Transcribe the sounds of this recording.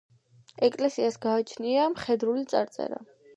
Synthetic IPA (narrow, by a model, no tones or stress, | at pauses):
ɛkʼlɛsiasɡaːt͡ʃʰniamχɛd̪ɾulit̪sʼaɾt̪sʼɛ̰ɾa̰